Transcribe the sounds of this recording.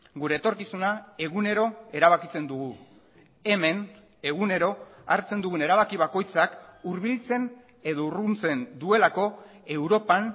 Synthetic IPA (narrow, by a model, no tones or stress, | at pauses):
ɡuɾe̞ːt̪o̞ɾkisunae̞ɣune̞ɾo̞e̞ɾaβ̞akit͡se̞nd̪uɣu | e̞me̞n | e̞ɣ̞une̞ɾo̞a̰ɾt͡se̞nd̪uɣune̞ɾaβ̞akiβ̞ako̞jt͡sakuɾβilt͡se̞n | e̞ðo̞urunt͡se̞nd̪ue̞lako̞ | e̞wɾo̞pan